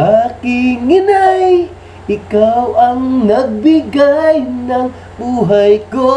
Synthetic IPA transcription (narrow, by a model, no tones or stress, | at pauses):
akɪŋɪnaj | ʔɪkawʔɐŋnɐɡ̚bɪɡajnɐŋ | buːɦajko